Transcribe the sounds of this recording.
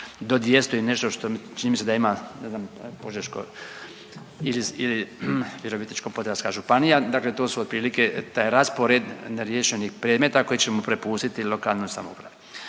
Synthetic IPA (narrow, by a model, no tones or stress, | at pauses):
d̪od̪jest̪oine̞ʃt̪oʃt̪ot͡ʃinimised̪aimaneznampo̞ʒeʃko̰ | iliiliʋjeɾoʋit̪nit͡ʃkopo̞d̪ɾaskaʒupanijad̪akle̞t̪osuod̪̚pɾiːliket̪aːjɾaspoɾed̪neɾjeʃenixpɾjed̪met̪ako̞jit͡ɕe̞mopɾepuːst̪it̪ilo̞kalnojsa̰moṵpɾa̰ʋu